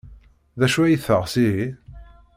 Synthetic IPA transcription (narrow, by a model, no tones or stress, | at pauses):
ðæʃuæjiθəʁsiɾi